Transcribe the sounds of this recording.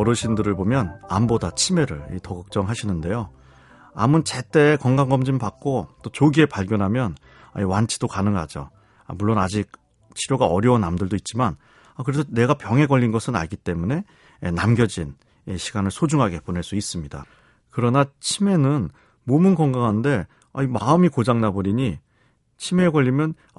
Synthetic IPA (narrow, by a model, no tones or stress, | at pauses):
ʌɾɯɕʰindɯɾɯɭbomjʌnambodat͡ɕʰime̞ɾɯ̰ɭḭtʌɡɯk̚t͡ɕ͈ʌŋɦaɕʰinɯnde̞jo | a̰mɯnt͡ɕe̞t͈e̞kʌŋɡaŋɡʌmd͡ʑimpak̚k͈ot͈ot͡ɕoɡie̞paɭɡjʌnɦamjʌn | a̰iwant͡ɕʰi̥d̥okanɯŋɡa̰d͡ʑo̰ | a̰muɭːonad͡ʑik̚ | t͡ɕʰiɾjoɡaʌɾjʌwunamdɯɭdoit̚t͡ɕ͈iman | akɯɾesʰʌne̞ɡapjʌŋɦe̞ɡʌʎːinɡʌsʰɯna̰ɭɡit͈e̞mune̞ː | namɡjʌd͡ʑin | eɕʰiɡanɯɭsʰod͡ʑuŋɦaɡe̞ponɦe̞ɭs͈uis͈ɯmɲida̰ | kɯɾʌnat͡ɕʰime̞nɯn | momɯnkʌŋɡaŋɦannde̞ | aimaɯmikod͡ʑaŋnabʌɾiɲi | t͡ɕʰime̞ɡʌʎːimjʌn